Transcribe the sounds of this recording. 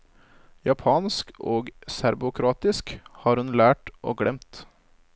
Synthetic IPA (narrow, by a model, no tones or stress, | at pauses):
jɑpʰɑːnskoːɡsæɾbʊkʰɾɑːt̪ɪskhɑːɾhʉnlæːʈʔo̰ːɡɽɛmt̪